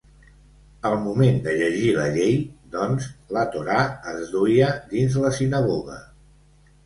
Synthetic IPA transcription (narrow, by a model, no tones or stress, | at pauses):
əlˠmumend̪əʎəʒiləʎejd̪ɔnzlət̪uɾaəzd̪uiəd̪inzləsinəɣoɣə̰